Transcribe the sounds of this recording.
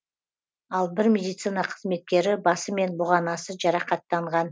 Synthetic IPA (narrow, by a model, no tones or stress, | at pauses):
ɑlˠbɪɾmʲe̞d̪ijt̪sɨnɑqʰə̥zme̞t̪̚kʲe̞ɾɪbɑsəme̞nbʊʁɑnɑsəʒɑɾɑqɑt̪ːɑɴʁɑn